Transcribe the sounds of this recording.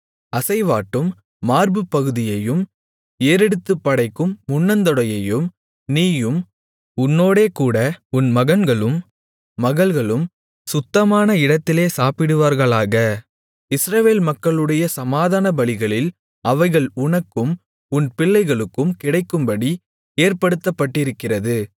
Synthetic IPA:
ɐsɐɪʋaːʈːɯmː | aːɾbɯpːɐɣɯðɪjɐjɯm | eːɾɛɽɯt̪ːɯpːɐɽɐɪkːɯmːʊnːɐnd̪ɔɽɐjɐjɯm | niːjɯm | ʊnːoːɽeːkuːɽɐʊnmɐɣɐnɡɐɭɯmː | ɐɣɐɭɣɐɭɯm | sʊt̪ːɐmaːnɐɪɽɐt̪ːɪleːsaːpɪɽɯʋaːɾɣɐɭaːɣɐ | ɪsɾɐʋeːlmɐkːɐɭɯɽɐjɐsɐmaːðaːnɐbɐɭɪɣɐɭɪl | ʔɐʋɐɪɣɐɭʊɳɐkːɯm | ʊnpɪɭːɐɪɣɐɭɯkːɯmkɪɽɐɪkːɯmbɐɽi | eːɾpɐɽɯt̪ːɐpːɐʈːɪɾɯkːɪrɐðɯ

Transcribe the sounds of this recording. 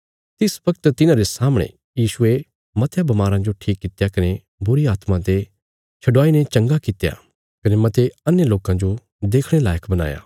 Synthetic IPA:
t̪ɪsbɐɡət̪t̪ɪnãɾesaːməɽ̃ḛ̃ | jiːʃʊe | mɐt̪ʰjabɐmaːɾãd͡ʒoʈʰiːkːɪt̪jakɐne | bʊɾiaːt̪mãt̪e | t͡ʃʰɐɖʋaːinet͡ʃɐ̃ŋɡakɪt̪eja̰ | kɐnemɐt̪eɐnjəloːkãd͡ʒo | d̪eːkʰɽ̃elaːjəkʰbɐna̰ːja̰ː

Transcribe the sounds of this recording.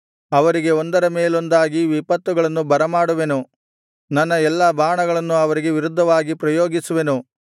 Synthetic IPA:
ɐʋɐɾiɡe̞ond̪ɐɾɐmeːlo̞nd̪aːɡiʋipɐt̪ːuɡɐɭɐnːubɐɾɐmaːɽuʋe̞nu | nɐnːɐɛlːaːbʱaːɳɐɡɐɭɐnːuɐʋɐɾiɡe̞ʋiɾud̪ʱːɐʋaːɡipɾɐjoːɡisuʋe̞nu

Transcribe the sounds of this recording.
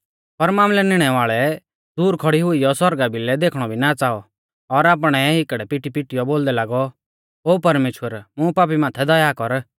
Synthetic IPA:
pɐɾmaːmlɛnɪɽ̃ɛʋaːɭɛ | d̪uːɾkʰɔɽiɦʊijɔsɔɾɡabʱɪlɛd̪eːkʰɽ̃ɔbʱinat͡saːɔ | ɔɾaːp̬ɽ̃ɛɦɪkəɽɛpɪʈipɪʈijɔboːld̪ɛlaːɡɔ | oːpɐɾmeːʃwəɾmũpaːp̬imaːt̪ʰɛd̪ɔjakɔɾ

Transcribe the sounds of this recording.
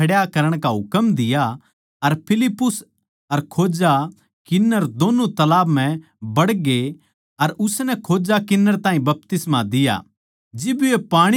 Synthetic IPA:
ɐɽjakɐɾəɽ̃kaɦʊkəmd̪ɪja | ɐɾpʰɪlɪpːʊs | ɐɾkʰoːd͡ʒa | kɪnːəɾd̪oːnut̪ɐlaːbm̤ɛ̃ | bɐɽɡe | ɐɾʊsnɛkʰoːd͡ʒakɪnːəɾt̪ãːɦĩbɐp̚t̪ɪsmad̪ɪja̰ | d͡ʒɪbepaːɽ̃i

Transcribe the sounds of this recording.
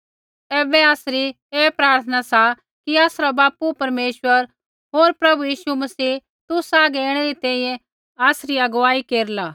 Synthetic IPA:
ɛːbɛaːsɾi | eːpɾaːɾt̪ʰənasa | kiaːsɾabaːpupɐɾmeːʃʋəɾ | ɦoːɾpɾɐbujiːʃumɐsiː | t̪ʊsaːɡɛeːɽ̃ɛɾit̪ɛ̃ːĩjɛ̃ | aːsɾiɐɡʊʋaːikeːɾlaː

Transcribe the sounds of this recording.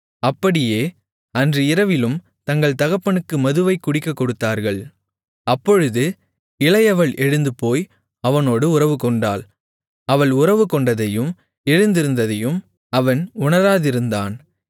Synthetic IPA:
ɐpːɐɽɪjeː | ɐndriɪɾɐʋɪlɯm | t̪ɐŋɡɐɭt̪ɐɣɐpːɐɳɯkːɯmɐðɯʋɐɪkːʊɽɪkːɐkːɔɽɯt̪ːaːɾɣɐɭ | ɐpːɔɻɯðɯ | ɪlɐjɐʋɐɭʔɛɻɯnd̪ɯpoːj | ɐʋɐnoːɽɯʊrɐʋɯkɔɳɖaːl | ɐʋɐɭʊrɐʋɯkɔɳɖɐðɐjɯm | ɛɻɯnd̪ɪɾɯnd̪ɐðɐjɯm | ɐʋɐnʊɳɐɾaːðɪɾɯnd̪aːn

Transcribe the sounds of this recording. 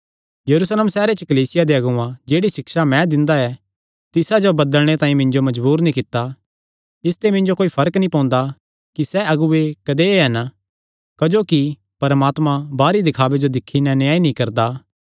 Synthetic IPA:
jɐɾuːsleːmsɛːɾet͡ʃəkɐliːsɪjad̪eɐɡʊãd͡ʒeːɽisɪkʃamɛ̃d̪ɪ̃nd̪aɛ | t̪ɪsad͡ʒobɐd̪əlɽ̃et̪ãːĩmɪ̃ɲd͡ʒomɐd͡ʒbuːɾnĩkɪt̪ːa | ɪst̪emɪ̃ɲd͡ʒokoːifʰɐɾəknĩpɔ̃ːnd̪a | kisɛɐɡuekɐd̪eɦɐn | kɐd͡ʒoːki | pɐɾmaːt̪mãbaːɾid̪ɪkʰaːbed͡ʒod̪ɪkʰːinɛnjaːinĩkɐɾd̪aː

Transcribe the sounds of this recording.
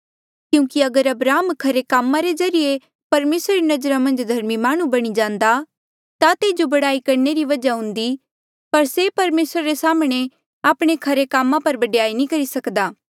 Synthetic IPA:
kjũːkiɐɡəɾɐbɾaːmkʰɐɾekaːmːãɾezɐɾije | pɐɾmeːsɾaɾinɐd͡ʒɾamɐ̃nd͡ʒd̪ʱɐɾmimaːɽ̃ũbɐɽ̃id͡ʒãːnd̪a | t̪at̪eːd͡ʒobɐɽaːikɐɾneɾiʋɐd͡ʒaɦʊ̃nd̪i | pɐɾsepɐɾmeːsɾaɾesaːmɽ̃e | aːpɽ̃ekʰɐɾekaːmːãpɐɾbɐɖjaːinĩkɐɾisɐkd̪aː

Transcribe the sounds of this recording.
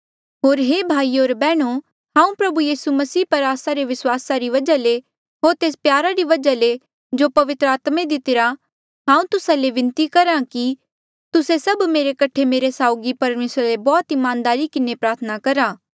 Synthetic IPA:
ɦoːɾɦeːbʱaːioːɾbɛːɽ̃o | ɦãːũpɾɐbujiːsumɐsiːpɐɾaːsaɾeʋɪswaːsaɾiʋɐd͡ʒale | ɦoːɾt̪eːspjaːɾaɾiʋɐd͡ʒale | d͡ʒopɐʋɪt̪ɾəaːt̪mẽd̪ɪt̪ɪɾa | ɦãːũt̪ʊsaleʋɪ̃nt̪ikɐɾãki | t̪ʊsesɐbmeːɾekɐʈʰemeːɾesaːʊɡipɐɾmeːsɾalebɔːt̪ɪmãːnd̪aːɾikɪnepɾaːɾt̪ʰənakɐɾaː

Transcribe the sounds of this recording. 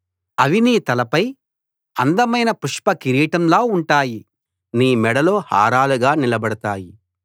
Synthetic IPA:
ɐʋiniːt̪ɐlɐpɐj | ɐnd̪ɐmɐjnɐpuʂpɐkiɾiːʈɐmloːuɳʈaːji | niːmɛɽɐlo̞ːha̰ːɾaːluɡaːnilɐbɐɽɐt̪aːji

